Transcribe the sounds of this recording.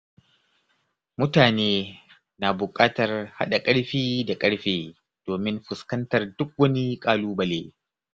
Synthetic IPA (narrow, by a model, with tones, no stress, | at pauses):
mʊ˦taː˨neː˦ | naː˨bʊ˨kʼaː˦tɐ˨rha̰˦ɗa˨kʼɐ˦ɽɸiː˦da˨kʼɐ˦ɽɸeː˦ | d̥oː˨mɪ˦mɸʊ˨skɐ˦ntɐ˨rdʊ˦k̚wɐ˦ni˦kʼaː˦luː˦bɐ˨leː˦